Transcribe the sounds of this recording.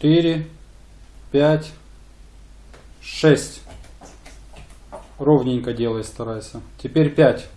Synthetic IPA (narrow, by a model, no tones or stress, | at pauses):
t̪ɪɾʲɪ | pʲætʲ | ʂɛsʲtʲ | rovnʲɪnʲkədʲe̞lˠəjst̪ɐɾajsʲətʲɪpʲeɾʲpʲætʲ